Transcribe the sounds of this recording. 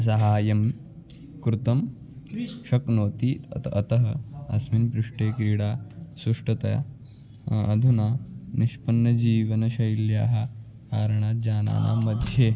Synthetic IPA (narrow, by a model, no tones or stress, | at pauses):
s̬ɐɦaːjɐm | kɾut̪ɐm | ʃɐknoːt̪iːt̪ɐt̪ɐɦɐɐsminpɾuʂʈeːkɾiːɽaːsuʂʈɐt̪ɐja̰ | ɐd̪ʱunaːniʃpɐnːɐd͡ʑiːʋɐnɐɕɐjilja̰ːɦɐ | aːɾɳaːd͡ʑaːna̰ːna̰mɐd̪ʱje